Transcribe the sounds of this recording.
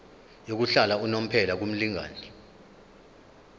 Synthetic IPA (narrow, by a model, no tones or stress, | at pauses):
jok̬uɬalaunom̩pʰɛlak̬um̩liŋa̰ːni